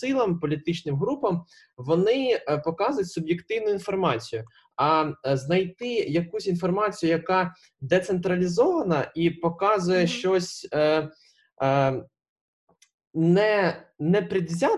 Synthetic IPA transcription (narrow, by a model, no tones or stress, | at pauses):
ɪlˠɐmpɔlʲit̪ɪt͡ʃnɪmɦɾupɐm | ʋɔnɪpɔkɑzʊjʊtʲsʊbjekt̪ɪwnʊinfɔrmɑt͡sʲijʊ | ɐznɐjt̪ɪjɐkusʲinfɔrmɑt͡sʲijʊjɐkɑ | d̪ɛt̪sent̪ɾɐlʲizɔʋɐnɐʔipɔkɑzʊjɛʃt͡ʃɔsʲ | nɛnɛpɾʲɪd̪ʲzʲɑ